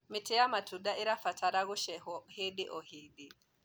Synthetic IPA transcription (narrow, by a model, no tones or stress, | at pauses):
mitɛjamatuɗaiɾafataɾaɣuʃɛhɔheɗiʔɔhiɗi